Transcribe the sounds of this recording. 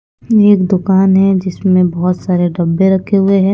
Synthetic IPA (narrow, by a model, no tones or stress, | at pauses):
eːkd̪ʊkaːnɦɛd͡ʒɪsmẽbɐɦʊt̪saːɾeɖɐbːeɾɐkʰeɦʊeɦɛ̃ː